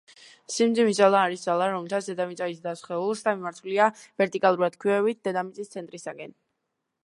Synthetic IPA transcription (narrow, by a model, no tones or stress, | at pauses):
simd̪zimizalˠaːɾisd̪zalˠaɾɔmɛlt̪ʰat̪sʰd̪ɛd̪amit̪sʼaisd̪asχɛulˠsd̪amimaɾt̪ʰuliavɛɾt̪ʼikʼalˠuɾad̪̥kʰwiɛvit̪̚ʰd̪ɛd̪amit̪sʼist̪sʰɛnt̪ʼɾisaɡʼɛn